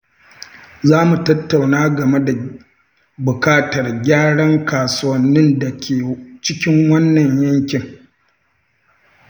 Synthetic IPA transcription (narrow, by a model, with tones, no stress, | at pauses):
zaː˦mu˨tɐ˦tːa˨wnaː˦ɡɐ˨me˦da˨ | bʊ˨kaː˦tɐ˨rɡʲaː˦ɽɐ˦ŋkaː˨sʊ˦wɐ˦nːɪ˦nda˨kʲeː˨t͡ʃɪ˦kʲɪ˦ŋwɐ˦nːɐ˨ɲjɐ˦ŋkʲɪ˨ŋ